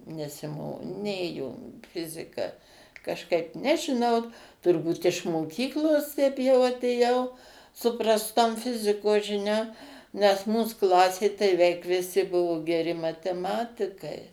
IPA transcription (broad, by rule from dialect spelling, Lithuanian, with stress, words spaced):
nʲɛsʲɪˈmoː ˈnʲeːjoː ˈfʲɪzʲɪkɐ kɐʃˈkɐɪp nʲɛʒʲɪˈnɐʊ tʊrˈbuːt ɪʃ moːˈkʲiːklˠoːs tʲɛɪp jɛʊ ɐtʲeːˈjɛʊ sʊ prɐsˈtoːm ˈfʲɪzʲɪkoːs ʒʲɪˈnʲoːm nʲɛs ˈmuːs ˈklˠɑːsʲeː tɐɪ ʋʲɛɪk ʋʲɪˈsʲɪ ˈbʊʋoː ɡʲɛˈrʲɪ mɐtʲɛˈmɑːtʲɪkɐɪ